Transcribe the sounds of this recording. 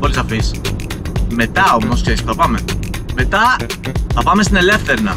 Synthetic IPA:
po̞lisɐfis | me̞t̪ɐonosçespuθɐpɐme̞me̞t̪ɐθɐpɐmest̪ine̞le̞fθe̞ɾnɐ̰

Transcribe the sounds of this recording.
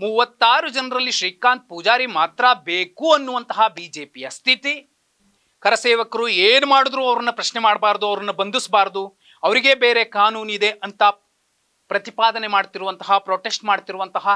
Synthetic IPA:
muʋɐt̪ːaːɾud͡ʒɐnɐɾɐlːiʃɾiːkaːnt̪̚pud͡ʒaːɾimaːt̪ɾɐbeːkuːɐnːuʋɐnt̪ɐɦɐbiːd͡ʒe̞ːpijɐst̪ʰit̪i | kɐɾɐseːʋɐkɐɾueːnumaːɽud̪ɾuːɐʋɐɾɐnːɐpɾɐʃnemaːɽbaːɾd̪uɐʋɐɾɐnːɐbɐnd̪usbaːɾd̪u | ɐʋɐɾiɡe̞beːɾe̞kaːnuːnid̪e̞ʔɐnt̪ɐ | pɾɐt̪ipaːd̪ɐnemaːɽt̪iɾuʋɐnt̪ɐɦɐpɾoːʈe̞sʈmaːɽt̪iɾuʋɐnt̪ɐɦɐ

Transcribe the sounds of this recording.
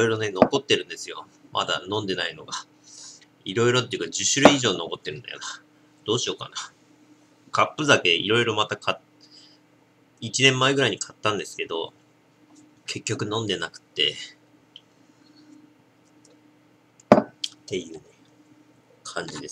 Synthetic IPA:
iɾoiɾo̞ne̞no̞ko̞t̪ːe̞ɾɯ̟̃nd̪e̞sɨjo̞̰ | mʔa̰d̪a̰nõ̞nd̪e̞naino̞ɡa | iɾo̞iɾo̞t̪̬ːeiɯ̟kad͡ʑɨɕɨɾɯ̟iʑo̞ːno̞ko̞t̪ːe̞ɾɯ̟nd̪a̰jo̰na | d̪̥o̞ːɕio̞ka̰na | kʰapːɯ̟zake̞ḭɾo̞iɾo̞mat̪akʰa | it͡ɕinẽ̞mːaeɡɯ̟ɾaiɲ̟ikʰat̪ːãnd̪e̞sɨ̥ke̞d̪o̞̰ | kʰe̞kʲːo̞kɯ̟nõ̞nd̪e̞nakɯ̟̥t̪ːe̞ | t̪e̞jɯ̟ːne | kʰãɲ̟d͡ʑid̪e̞s

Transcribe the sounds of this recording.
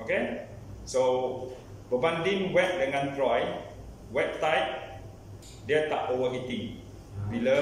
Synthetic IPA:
oke | so | bəbãndĩŋwɛp̚dəŋãnt̪ɹɔj | wɛp̚sajt̚ | dət̪aʔowəɦit̪ĩŋ | bilə

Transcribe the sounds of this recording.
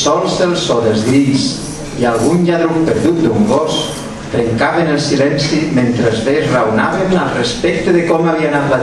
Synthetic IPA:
sɔlˠzðəlˠsɔðəlzðɾiʎs | ialˠɣunʎaðɾompəɾðut̪̚d̪uŋɡɔs | t̪ɾeŋkaβenəlˠsilɛnsiment̪ɾəzðezrawna̰βənəlˠrəspɛk̚t̪eðəkɔmaβianat̪la

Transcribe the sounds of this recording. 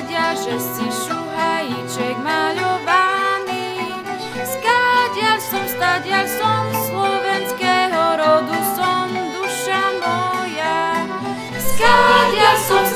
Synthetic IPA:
ɟɪaʒɛsiʃuɦajit͡ʃɛɡmaʎɔʋani | skaɟɪalsɔmst̪aɟɪalsɔmslɔʋɛnskɛːɦɔɾɔd̪usɔmd̪uʃamɔja | skaɟɪasɔm

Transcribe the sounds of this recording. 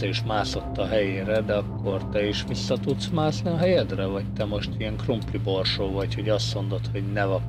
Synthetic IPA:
ɛiʃmaːso̞t̪ːɒɦɛjeːɾɛd̪ɛɒkːo̞rt̪ɛiʃʋisːɒt̪ut̪smaːsniɒɦɛjɛd̪rɛvɒct̪ɛmo̞ʃt̪iɛŋkrumplibo̞rʃoːvɒcho̞ɟɒst̪mo̞nd̪o̞t̪ho̞ɟnɛvɒ

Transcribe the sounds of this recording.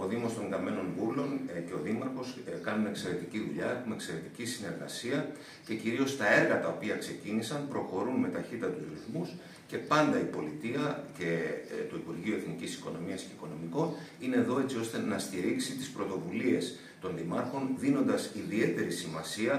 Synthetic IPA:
o̞ðimo̞st̪o̞ŋɡɐme̞no̞nvulo̞nce̞o̞ðimɐɾxo̞skɐnumekse̞ɾe̞t̪iciðuʎɐe̞xumekse̞ɾe̞t̪i̥cisine̞ɾɣɐ̰siɐ | ce̞ciɾio̞st̪ɐe̞ɾɣɐt̪ɐo̞piɐkse̞cinisɐmpɾo̞xo̞ɾunme̞t̪ɐçit̪ɐt̪uzɾiθmus | ce̞pɐnd̪ɐipo̞lit̪iɐce̞t̪oipuɾʝioe̞θnicisi̥ko̞no̞miɐsce̞iko̞no̞miko̞nine̞ðo̞e̞t͡sio̞st̪e̞nɐst̪iɾisit̪ispɾo̞t̪o̞vulie̞s | t̪o̞nðimɐɾxo̞nðino̞nd̪ɐsiðie̞t̪e̞ɾisimɐsiɐ

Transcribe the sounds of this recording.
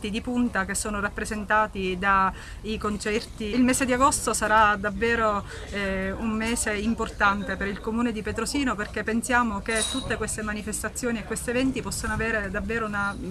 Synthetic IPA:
t̪id̪ipunt̪akesːoːnorapːɾezent̪aːt̪id̪a | ikont͡ʃɛrt̪iilmeːsed̪iaɡost̪osaɾad̪avːeːɾo | ummeːzeimport̪ant̪epeɾilkomuːned̪ipet̪ɾosiːnoperk̟epːensjaːmoket̪ːut̪ːekwest̪emanifest̪at̪sːjoːniekːwest̪ievɛnt̪ipɔsːanoaveːɾed̪avːeːɾouna

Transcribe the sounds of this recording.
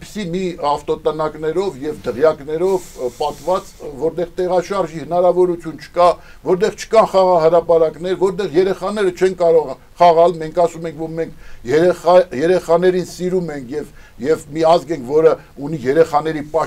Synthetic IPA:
pi̥simiɑft̪ɔt̪ənɑknɛɾɔvjɛvd̪əʁjɑknɛɾɔvpɑt̪vɑt͡svɔɾt̪ɛʁt̪ɛʁɑʃɑɾʒihənɑɾɑvɔɾut͡sʰjunt͡ʃʰə̥kɑ | vɔɾt̪ɛʁt͡ʃʰə̥kɑnχɑʁɑɦəɾɑpɑɾɑkn̪ɛɾvɔɾt̪ɛʁjɛɾɛχɑnɛɾət͡ʃʰɛnkɑɾɔʁ | χɑʁɑlmɛŋkʰɑsumɛŋkʰvɔɾmɛŋkʰjɛɾɛɑjɛɾɛχɑn̪ɛɾinsiɾumɛŋkʰjɛv | jɛvmiɑzɡɛŋkʰvɔɾə | unijɛɾɛχɑnɛɾipɑ

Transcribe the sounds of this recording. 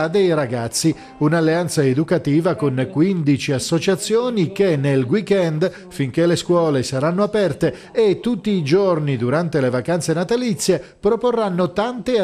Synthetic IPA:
d̪ejɾaɡat̪sːi | unalːeant̪saed̪ukat̪iːvakonkwind̪it͡ʃiasːot͡ʃat̪sːjoːnik̟enːelɡwikɛnd̪ | fiŋk̟eleskwɔːlesaɾanːoapɛrt̪eː | t̪ːut̪ːiːd͡ʒornid̪uɾant̪elevakant̪senat̪alit̪sːjepɾoporːanːot̪ant̪e

